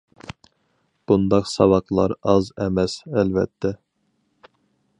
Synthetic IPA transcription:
b̥und̪ɑqsɑvɑqlˠɑ̰ɾɑzɛmɛsɛlvɛ̰t̪ʰːɛ

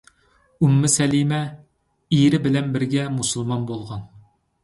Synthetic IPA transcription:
umːɪsɛlimɛ | iɾɪbɪlɛnbɪɾɡʲɛmusulˠmɑnbolˠʁɑn

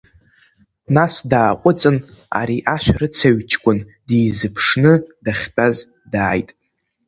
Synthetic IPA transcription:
nasdaːqʷʼʊt͡sʼɨna̰ɾiʔaʃʷᶣaɾɨt͡sʰaɥt͡ʃʰkʷʼʊndejzɨpʰʂnɨdaχʲbʼaz | daːjtʼ

